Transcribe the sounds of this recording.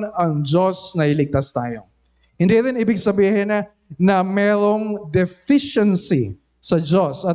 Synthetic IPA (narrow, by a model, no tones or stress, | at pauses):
nɐŋd͡ʒosnɐɪlɪɡ̚t̪ast̪a̰ːjo̰ | hɪnd̪iɾɪnibɪɡsɐbiːhɪnɐ | nɐmɛːɾoŋd̪ɛfiʃɛnsḭ | sɐd͡ʒosɐ